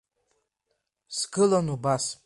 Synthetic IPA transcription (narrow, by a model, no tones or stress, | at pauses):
sɡɨlanubas